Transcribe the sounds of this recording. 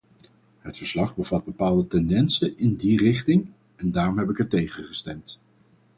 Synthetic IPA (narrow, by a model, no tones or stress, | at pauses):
ɦətfəɹslɑχbəvɑd̚bəpaːlˠdətɛndɛnsəɪndirɪχtɪŋ | ɛndaːrɔmɦɛp̬ɪkɛɹtejχəχəstɛmt